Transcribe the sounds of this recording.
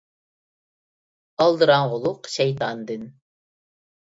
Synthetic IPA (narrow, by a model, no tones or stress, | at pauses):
ɑlˠd̪ɨɾɑɴʁʊlˠʊqʃɛjt̪ɑnd̪ɨn